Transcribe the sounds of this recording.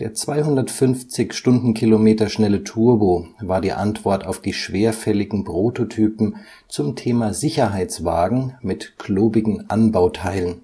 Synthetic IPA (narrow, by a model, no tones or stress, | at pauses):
d̥eːɐt͡sv̥aɪhʊndɐtfʏnft͡sɪçʃtʊndn̩kʰilomeːtɐʃnɛlətʰuɐboːvaːɐdiːʔa̰ntv̥ɔɐtaʊfd̥iːʃv̥eːɐfɛlɪɡŋ̩pʁ̥oːtotʰyːpm̩ | t͡sʊmtʰeːmaːzɪçɐɦaɪt͡sv̥a̰ːɡŋ̩mɪtkʰloːbɪɡŋ̩ʔanbaʊtʰaɪlən